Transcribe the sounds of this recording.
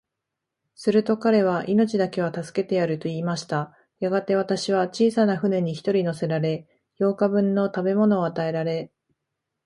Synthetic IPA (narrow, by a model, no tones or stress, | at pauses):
sɨɾɯ̟t̪o̞kaɾe̞β̞aʔino̞t͡ɕid̪ake̞β̞at̪asɨ̥ke̞t̪e̞jaɾɯ̟t̪o̞iːmaɕi̥t̪a | jaɡat̪e̞β̞at̪aɕiβ̞at͡ɕiːsanaɸɯ̟ne̞ɲ̟içi̥t̪o̞ɾʲino̞se̞ɾaɾe̞ | jo̞ːkabɯ̟̃nːo̞t̪abe̞mo̞no̞ːat̪ae̞ɾaɾe̞